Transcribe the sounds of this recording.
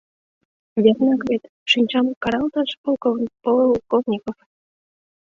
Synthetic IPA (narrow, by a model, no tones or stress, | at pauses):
βʲernɑkβʲet̪ | ʃɨnʲt͡ɕɑmkɑɾɑlt̪ɑʃpolkopololkovnʲikof